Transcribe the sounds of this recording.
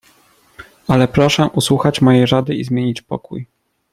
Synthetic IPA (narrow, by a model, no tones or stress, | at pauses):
alɛpɾɔʂɛʔuswuxat͡ɕmɔjejʐad̪ɘizmʲjeɲit͡ɕpɔ̰kṵj